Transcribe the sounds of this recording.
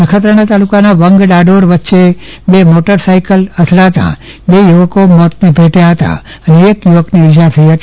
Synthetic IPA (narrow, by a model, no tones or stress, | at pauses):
nəkʰət̪ɾəɳ̃at̪alukanaʋəŋɡɖaɖoɾʋətːʃe | bemoʈəɾsaikələt̪ʰlaɦət̪a̰ | bejuʋəkomɔt̪nibʱeʈjaɦət̪a̰ | əneːkjuʋəkniɪt͡ʃ̬aɾt̪ʰəiɦət̪i